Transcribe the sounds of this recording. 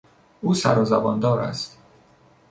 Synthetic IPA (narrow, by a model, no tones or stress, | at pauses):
uːsæ̰ɾɒːzæbɒːnd̪ɒːɾæ̰st̪